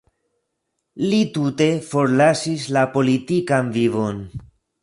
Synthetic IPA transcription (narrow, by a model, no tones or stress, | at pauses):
litute̞fo̞ɾlasis̬lapo̞litikanvivo̞n